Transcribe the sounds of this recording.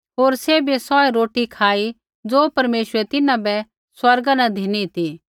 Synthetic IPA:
ɦoːɾsebesɔːeɾoːʈikʰaːi | d͡zoːpɐɾmeːʃɾɛt̪ɪnãbɛ | swɐɾɡanad̪ʱiːnit̪i

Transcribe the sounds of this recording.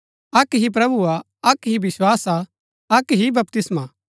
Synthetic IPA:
ɐkɦip̬ɾɐbua | ɐkɦibɪswaːsa | ɐkɦibɐpt̪ɪsmaː

